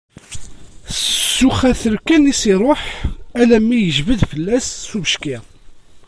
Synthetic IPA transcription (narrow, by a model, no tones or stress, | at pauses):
sːuχæθəɾkænisiɾˤoħælæmːijəʒvəðfəlːæsːuvəʃki